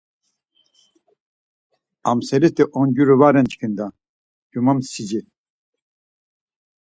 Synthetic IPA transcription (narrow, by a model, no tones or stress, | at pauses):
amsɛɾist̪iʔɔnɟuɾuvaɾɛnt͡ʃʰkʰind̪a | ɟ̥umamsid͡ʒi